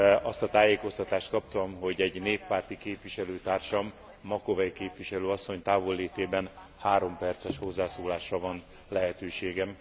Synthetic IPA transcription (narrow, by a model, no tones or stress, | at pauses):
ɒst̪ɒt̪aːjeːko̞st̪ɒt̪aːʃt̪̚kɒpt̪ɒmɦo̞ɟɛɟneːpːaːrt̪ikeːpviʃɛløːt̪aːrʃɒmː | ɒko̞vɛjkeːpʋiʃɛløːɒsːo̞ɲt̪aːvo̞lːeːt̪eːbɛn | haːɾo̞mpɛrt̪sɛʃho̞zːaːsoːlaːʃrɒvɒn | lɛɦɛt̪øːʃeːɡɛm